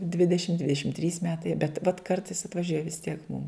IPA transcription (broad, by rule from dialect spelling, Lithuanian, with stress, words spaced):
ˈdʲʋʲɪdʲɛʃʲɪm dʲʋʲɪdʲɛˈʃʲɪm tʲrʲiːs ˈmʲæːtɐɪ bʲɛt ʋɐt ˈkɐrtɐɪs ɐtʋɐˈʒʲuɔjɛ ʋʲɪs tʲiɛk muːm